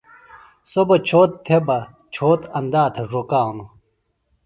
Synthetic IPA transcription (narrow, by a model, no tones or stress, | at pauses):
sobɐt͡ɕʰoːt̪ːʰebɐ | t͡ɕʰoːt̪ɐnd̪aːt̪ʰeʐokaːwnu